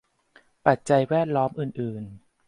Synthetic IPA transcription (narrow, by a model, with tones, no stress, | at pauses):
pa˨˩t̪̚t͡ɕa˧jwɛː˥˩t̪̚lɔː˦˥mʔɯː˨˩nʔɯː˨˩n